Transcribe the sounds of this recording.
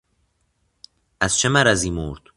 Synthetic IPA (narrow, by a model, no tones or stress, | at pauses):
æz̥t͡ʃʰemæɾæziːmoɾd̪̥